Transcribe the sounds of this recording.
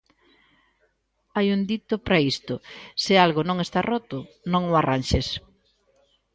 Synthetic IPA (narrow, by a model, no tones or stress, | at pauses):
ajund̪it̪ʊpɾaist̪ʊsɪalɣʊnõŋest̪arɔt̪ʊ | nõŋʊaranʃes